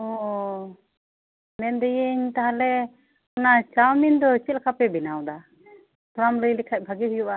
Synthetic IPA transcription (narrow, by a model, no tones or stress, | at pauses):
ɔ | mɛnd̪ɛjəɲt̪aɦalɛ | ɔnat͡ʃawmind̪ɔt͡ʃɛt̪lkʰapɛbɛnawd̪a | pɾamləjlikʰac̚ˀbʱaɡiɦujuʔa